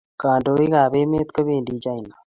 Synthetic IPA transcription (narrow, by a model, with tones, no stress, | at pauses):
kãː˨ɳɖoːi˦ɡaː˨beː˦mẽː˦t̪kəbẽː˨ndiːd͡ʒaː˦i˨naː˨